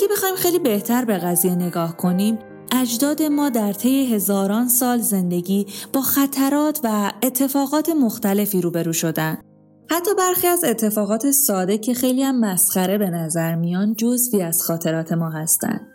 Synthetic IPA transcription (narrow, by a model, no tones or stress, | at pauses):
ʔæɡebe̞xɒːhimxe̞jliːbe̞ht̪ʰæɾbe̞ɣæzije̞ne̞ɡɒːhkʰo̞niːm | ʔæd͡ʒd̪ɒːd̪e̞mɒːd̪æɾt̪ʰe̞je̞ɦe̞zɒːɾɒːnsɒːlze̞nd̪e̞ɟiːb̥ɒːxæt̪ʰæɾɒːt̪ʰvæe̞t̪ʰːe̞fɒːɣɒːt̪ʰe̞mo̞xt̪æle̞fiːɾuːbe̞ɾuːʃo̞d̪ænd̪̥ | hæt̪ʰːɒːbæɾxiːæze̞t̪ʰːe̞fɒːɣɒːt̪ʰe̞sɒːd̪e̞cʰe̞xe̞jlihæmːæsxæɾe̞be̞næzæɾmijɒnd̪̚d͡ʒozviːæz̥xɒːt̪ʰe̞ɾɒːt̪ʰe̞mɒːɦæst̪æ̰nd̥̪